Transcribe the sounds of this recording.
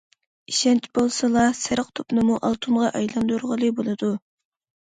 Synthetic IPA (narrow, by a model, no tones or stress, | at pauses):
iʃɛnt͡ʃʰbolˠsɨlˠɑsɪɾəqt̪ʰopnɨmuʔɑlˠt̪ʰumʁɑʔɑjlˠɑnd̪uɾʁəlˠɨbolˠɨd̪u